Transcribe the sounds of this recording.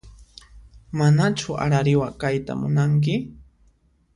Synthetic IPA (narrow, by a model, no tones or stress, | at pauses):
manat͡ʃʊa̰ɾaɾɪwakajt̪a̰mʊnaŋk̬ɪ